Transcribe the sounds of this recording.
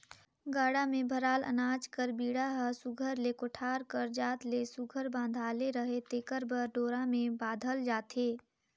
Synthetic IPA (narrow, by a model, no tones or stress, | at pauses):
ɡaːɽamẽbʱəɾaːlə̰naːd͡ʒkəɾbiːɽaɦəsuɡʱəɾlekoʈʰaːɾkəɾd͡ʒaːt̪lesuɡʱəɾbãːnd̪ʱaːleɾəɦet̪eːkəɾbəɾɖoːɾãmẽbaːd̪ʱəld͡ʒaːt̪eː